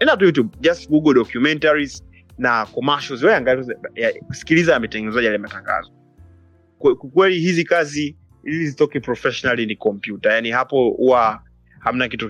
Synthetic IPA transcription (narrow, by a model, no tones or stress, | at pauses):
ɛnatujut̬jub̚d͡ʒastɡuɡɔɗɔkjumɛntaɾiz | nakɔmaʃɔzwɛjaŋɡaikuakusi̥kilizajamɛtɛɡɛnɛzaʄialimataŋɡa̰zɔ | kɛkukwɛlihizikazi | ilizitɔkipɾɔfɛʃɔnalinikɔmpjutajanihapɔhuwa | ham̩nakitu